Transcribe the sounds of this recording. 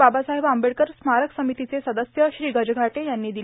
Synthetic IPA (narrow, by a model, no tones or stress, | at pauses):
abasaɦebaəmbeɽkəɾsmaɾəksəmit̪it͡sesəd̪əsjəɕɾiːɡəd͡ʑəɡʱaʈejanːiːd̪i